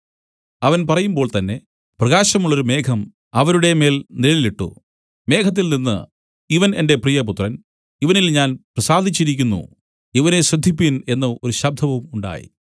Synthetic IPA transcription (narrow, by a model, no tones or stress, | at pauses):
ɐʋɐnpɐrɐjumbo̞ːɭt̪ɐnːe̞ | prɐɣaːɕɐmuɭːo̞ɾume̞ːkʰɐm | ɐʋɐɾuɽe̞me̞ːlnilliliʈːṵ | me̞ːkʰɐt̪̬ːilninːɨ̰ | iʋɐne̞nde̞prijɐp̬ut̪rɐn | iʋɐnilɲaːnprɐsaːd̪ʱit͡ɕːiɾikʲːunːṵ | iʋɐne̞ɕrɐd̪ʱːipːine̞nːɐo̞ɾuɕɐb̚d̪ʱɐʋɐmuɳɖa̰ːjḭ